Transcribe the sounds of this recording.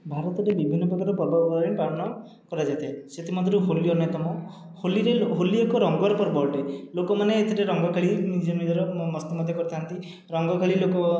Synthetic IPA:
bʱaɾɔt̪ɔɾebibʱinːɔpɔkaɾɔpɔɾbʱɔbbd̪ɾeɳpɾaɾɔnɔ | kɔɾad͡ʒajt̪ʰeset̪ʰimɔd̪ʱɾuɦolijɔnet̪ɔmɔ | holiɾeɦoliɔkɔɾɔŋɡɔwaɾɔpɔɾbɔɾɖelokɔmaneːt̪ʰeɾeɾɔŋɡɔkʰaɭinid͡ʒɔnid͡ʒɔɾɔmɔst̪ɔmɔd̪ʱjɔkɔɾit̪ʰaɦant̪i | ɾɔŋɡɔkʰaɭilokɔ

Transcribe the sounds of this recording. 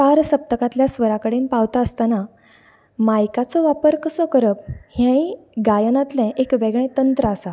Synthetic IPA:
paɾsəp̚t̪əkat̪ljasʋəɾakəɽeːnpaʋt̪aəst̪ana | majkat͡sɔʋapəɾkəsɔkəɾəp̚hjãiɡajənat̪lɛ̃ʔekʋeɡɭẽt̪ənt̪ɾəasa

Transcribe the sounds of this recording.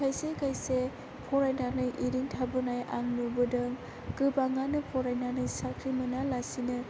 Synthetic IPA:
ajsekʰajse | pʰɔɾajnanɯjʔiɾiŋtʰabɯnajʔa̰ŋnubɯdɯŋ | kɯbaŋanɯpʰɔɾajnanɯjsakʰɾimɯnalasinɯ

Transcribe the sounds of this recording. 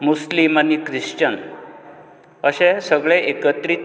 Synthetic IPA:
muslimanikɾiʂt͡ɕən | əɕẽsəɡɭeʔekət̪ɾi

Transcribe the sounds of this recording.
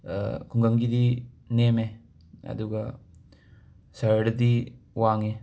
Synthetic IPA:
kuŋɡɐŋɡid̪i | neːme | ɐ̰d̪uɡɐ | sɐɾɽɐd̪iwaːŋe

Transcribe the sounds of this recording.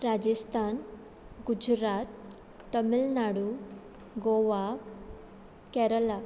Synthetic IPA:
ɾad͡ʑəst̪ʰan | ɡud͡ʑɾat̪ː | əmilnaɽu | ɡoʋa | kɛɾəla

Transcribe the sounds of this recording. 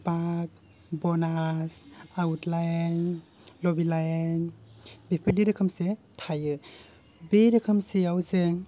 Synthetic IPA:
bak̚ | bɔnasawutlajn | lɔbilajenbepʰɯdiɾɯkʰəmse | tʰajɯ | beɾɯkʰəmseawzeŋ

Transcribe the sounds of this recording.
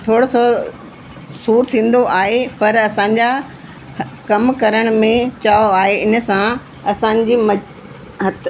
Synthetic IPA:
t̪ʰoːɽoso | suːɾt̪ʰĩːn̆d̪oʔaːɦepɐɾɐsãːɲ̆d͡ʑa | kɐmkɐɾəɽ̃mẽt͡ɕaːoaːɦeɪnə̆sã | ɐsãːɲd͡ʑiːmɐ | ɦɐt̪

